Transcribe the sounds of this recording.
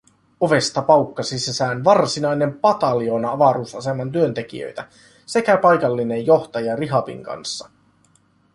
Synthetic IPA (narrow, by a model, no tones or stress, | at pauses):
o̞ʋe̞st̪ɑpɑwkːɑsisesæːnʋɑrsinɑjne̞mpɑt̪ɑlio̞nɑɑʋɑɾuːsɑse̞mɑnt̪yø̞nt̪e̞k̟ḭø̰jt̪æ | se̞kæpɑjkɑlːine̞jjo̞ht̪ɑjɑriɦɑpḭŋkɑ̰nsːɑ̥